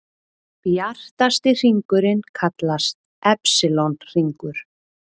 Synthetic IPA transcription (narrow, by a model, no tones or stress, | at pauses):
pjar̥t̪ast̪ɪr̥iŋkʏɾɪnkʰat̪last̪̚ | ʔɛpsɪlonr̥iŋkʏɾ̥